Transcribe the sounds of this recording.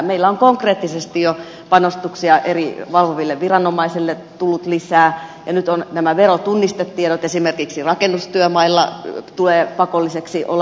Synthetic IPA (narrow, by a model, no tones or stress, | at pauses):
meilːæoŋkoŋkreːt̪ːisest̪ijo | pɑnost̪uksiɑʔeriʋɑlʋoʋilːeʋʋirɑnomɑisilːet̪ulːut̪lisæːjɑnyt̪onnæmæʋerot̪unːist̪et̪ːieɾot̪esimerkiksirɑkenːust̪yømɑilːɑ̰t̪uleːpɑkolːiseksiʔo̰l